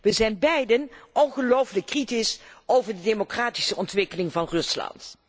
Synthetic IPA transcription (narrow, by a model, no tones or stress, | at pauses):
ʋəzɛjnbɛjdənʔɔnχəlowfləkːritɪsowvəɹdədemokraːti̥səʔɔntʋɪkəlɪŋvɑnrɵslɑ̰nt